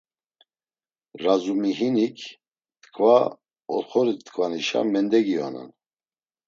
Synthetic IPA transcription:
ɾazumiɦinikʰ | t̪kʰʼva | ɔɾχɔɾit̪kʰʼvaniʃa̰mɛnd̪ɛɡia̰na̰n

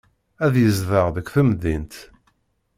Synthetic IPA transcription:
æðjəzðəʁðəkʷːθəmðint̪

